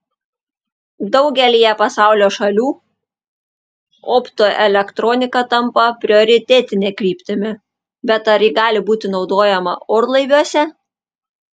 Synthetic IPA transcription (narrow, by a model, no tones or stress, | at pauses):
d̪ɒʊɡʲɛlʲijɛpɐsɑˑʊlʲoːʃɐlʲuː | ɔːpt̪oʔɛlʲɛkt̪ɾɔnʲɪkɐt̪ɐmpɐpʲɾʲɪoːɾʲɪt̪ʲɛːt̪ʲɪnʲeːkɾʲiːpʲt̪ʲɪmʲɪ | bʲɛt̪ɐɾjɪɡɑːlʲɪbuːt̪ʲɪnɒʊd̪oːjɛmɐ̰oːɾlˠɐɪʋʲuɔsʲɛ